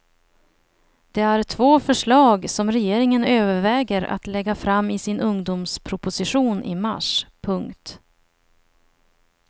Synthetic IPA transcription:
d̪̥ɛæɾt̪ʰvoːfœʂɭɑːɡsɔmɾɛjeːɾɪŋənøːvəɾvɛːɡəɾa̰t̪lɛɡːafɾamːɪsɪnʔɵŋd̪ʊmspʰɾʊpʊsɪɧuːnʔɪ̰ma̰ʂpʰɵŋkt̪

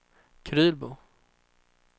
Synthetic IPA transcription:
kʰɾʉ̟ːlbʊ

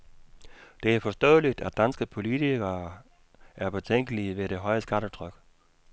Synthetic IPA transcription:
d̥e̝æɐfɒ̽sd̥ɔ̰ːðˠlid̥æd̥ænsɡ̥əpʰo̝lit͡sʰiɡ̥ɐ | ʔæɐb̥et͡sʰeŋ̰ɡ̥əliʋe̝ɾ̥e̝ɦɒ̽ɪəsɡ̥æɾ̥ət͡sʰʁœɡ̥

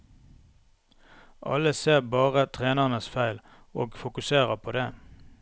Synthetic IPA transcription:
ʔɑ̰ləseːʁbɑːʁət̪ʰʁeːnəʁnəsfæɪl | oːɡfʊkʉseːʁəpʰoːd̪eː

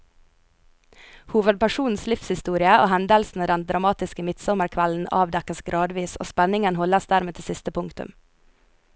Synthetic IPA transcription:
huːʋəd̪̚pʰæʃuːn̩slɪfshɪst̪uːɾɪəo̰ːhɛnd̪əlsn̩əd̪ɛnd̪ɾɑmɑːt̪ɪskəmɪt̪sɔməɾkʰʋæln̩ɑ̰ːʋd̪ɛkəsɡɾɑːd̪ʋiːso̰ːspɛnɪŋənhɔləsd̪æːɾmeːt̪ʰɪsɪst̪əpʰʊŋkt̪ʉ̰m

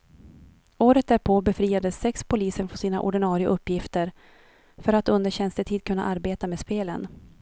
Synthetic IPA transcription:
oːɾət̪̚d̪æɾpʰoːbɛfɾiːad̪əsːɛkspʰʊliːsəɳfɔsiːna̰ʔɔ̰ɖɪnɑːɾɪəʔɵpːjɪft̪əɾ | fœɾat̪ɵnd̪əɾɕɛnst̪əʈʰiːd̪̚kʰɵnːa̰ʔaɾbeːt̪ameːspeːlə̰n

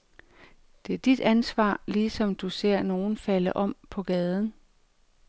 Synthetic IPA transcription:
d̥e̝æɐd̥id̥ænsʋɑ̰̈ːliːsɒ̽md̥use̝ɐ̰no̝ːn̩fæləʔɒ̽m̰pʰɒ̽ɡ̥ɛːð̞ˠn̩

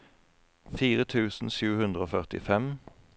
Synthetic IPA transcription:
fiːʁət̪ʰʉːsn̩ʃʉːhʉnd̪ʁəoːfœʁt̪ɪ̰fɛm

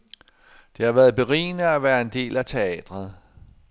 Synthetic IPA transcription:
d̥e̝hɑ̈ʋæːɐð̞ˠb̥e̝ʁḭːnəæʋæːɐe̝nd̥e̝̰ːlæt͡sʰe̝ɛ̰ːd̥ʁɐð̩ˠ

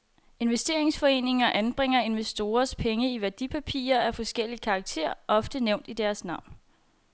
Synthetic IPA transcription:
e̝nʋesd̥e̝ɐe̝ŋsfɒ̽e̝ːne̝ŋɐʔænb̥ʁeŋ̰ɐe̝nʋesd̥o̝ːɐspʰeŋəiʋæɐd̥ipʰæpʰḭːɐæfɒ̽sɡ̥el̰ikʰɑ̈ːɡ̥̚t͡sʰe̝̰ɐ̰ʔɒ̽fd̥əneʊ̰nd̥id̥æɐsnɑ̈ʊ̰n

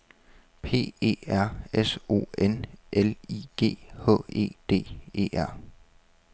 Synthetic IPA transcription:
pʰe̝̰ːe̝̰ːæɐ̰eso̝̰ːenʔeliɡ̥e̝̰ːhɔ̰̽e̝̰ːd̥e̝̰ːe̝̰ːʔæɐ̰

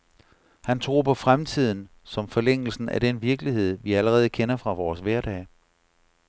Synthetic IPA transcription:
hænt͡sʰʁo̝̰ːpʰɒ̽fʁamt͡sʰið̞̰ˠn̩ | sɒ̽mfɒ̽leŋ̰l̩sn̩æd̥enʋiɐɡ̥liɦe̝ð̰ˠʋiæləʁɛːð̞̩ˠəkʰenɐfʁɑ̈ʋɒːsʋæɐɾ̥ɛ̰ː

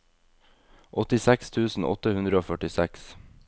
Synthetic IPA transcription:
ʔɔt̪ɪsɛkst̪ʰʉːsn̩ɔ̰t̪əhʉnd̪ɾəoːfœʈɪsɛks

